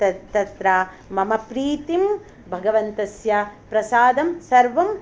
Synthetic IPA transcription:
t̪ɐt̪ɐt̪ɾaː | mɐmɐpɾiːt̪im | bʱɐɡɐʋɐnt̪ɐsjɐpɾɐsaːd̪ɐmsɐɾʋɐm

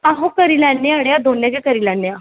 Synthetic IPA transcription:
ãɦokəɾilanːjaɽjad̪onːjakekəɾilɛnːja

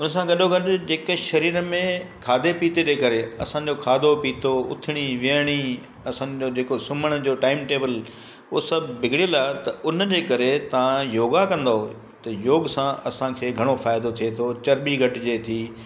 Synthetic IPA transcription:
ʊnsãɡɐɗoɡʱɐʈʊ̆d͡ʑeːkəʃɐɾiːɾmẽkʰaːd̪epiːt̪ed͡ʑeːkɐɾeɐ̰sã̆ːd͡ʑokʰaːd̪ʱopiːt̪oʊ̰t̪ʰɪɽ̃iʋiəɽ̃i | ɐsãd͡ʑoːd͡ʑeːkosʊməɽ̃ʊd͡ʑoːʈaːɪmʈeːbəl | ʊɦosɐbʱbɪɡʱɪɽilaːt̪ɐʊnd͡ʑeːkɐɾet̪ɐʋãjoːɡakɐ̃nd̪aɦoe | t̪ɐjoːɡsãɐsãkʰeːɡʱɐɽ̃ofaːɪd̪ot̪ʰiet̪ʰot͡ɕɐɾɓiɡʱɐʈɪd͡ʑeːt̪ʰiː

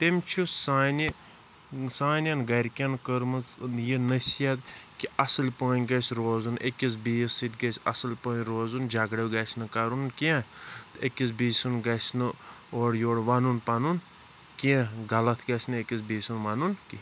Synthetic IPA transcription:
t̪emʲt͡ʃʰusaːni | saːnʲɐnɡɐɾʲkʲɐnkəɾmɨznjinɐsijɐt̪kiɐsɨlʲpəːnʲɡɐsʲɾoːzunʔekʲis̬biːsit̪ɡɐsʲɐ̰sɨlʲpɐːnʲɾoːzund͡ʒaɡɽɐwɡɐsʲnɨkaɾunkiãt̪ekʲis̬biːsunɡɐsʲnɨ | oːɽjoːɽʋanunpɐnun | kiẽɡɐlɐt̪ʰɡɐsʲnɨekʲis̬biːsunʋanunki

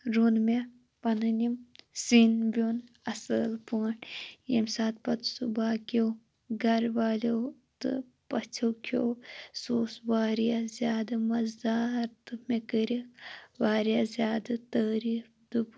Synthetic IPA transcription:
ɾunme | pɐnɨnimsinbʲunɐsəlpəːɳjḛmsaːt̪̚pɐt̪subaːkow | ɡɐɾʋaːlʲowt̪ɨ̰ | pɐt͡sʰɐwkʰowsoːsʋaːɾjazʲjaːd̪ɐmɐzd̪aːɾt̪ɨmekəɾiʋaːɾijaːzʲjaːd̪ɨt̪əːɾiːfd̪up

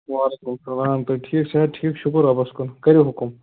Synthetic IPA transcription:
ʋaːlekumsɐlaːmt̪ɐʈʰiːksɐɦɐd̪̚ʈʰiːkʃʊkɾɐbɐskʊnkɐɾjiɦʊkum

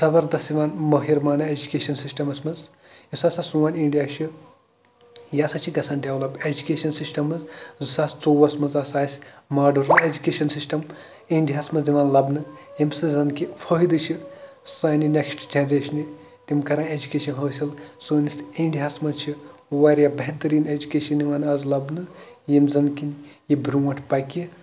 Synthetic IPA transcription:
sɐbɐɾd̪ɐsiʋaːnmɐɦiɾmaːnɨed͡ʒukʲeːʃɐnsisʈɐmɐsmɐnz | isaːsaːsuʋaːniɳɖijaːʃʰi | jaːsɐt͡ʃʰiɡɐsʰãːnɖeʋlɐbed͡ʒukʲeːʃɐnsisʈɐmɐzzɨsaːst͡soːʋɐsmɐnzaːsaːsʲ | maːɖɐɾed͡ʒukʲeːʃɐnsisʈɐm | iɳɖijaːsmɐnziʋaːnlɐbnɨjemsɨzɐnkifʰɐɦid̪ɨt͡ʃʰi | sɐːnineksʈd͡ʒenɐɾeʃɐni | t̪imkɐɾãːed͡ʒukeːʃɐnɦɐsɐlsoːnisẽɳɖiɦasmɐt͡ʃʰiwɐɾjabɐɦt̪ɐɾiːned͡ʒukeːʃɐniʋaːnɐzlɐbnɨjemzɐnkinjibɾumɐʈʰpɐkʲi

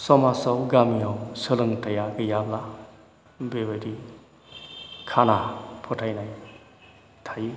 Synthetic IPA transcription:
sɔmasɔwɡamiawsɯlɯŋtʰajaɡɯjabla | bebaɾi | kʰanapʰɔtʰajnaj | tʰaji

